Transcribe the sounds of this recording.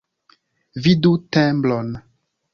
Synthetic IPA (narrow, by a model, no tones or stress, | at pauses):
vidutɛ̃mblɔn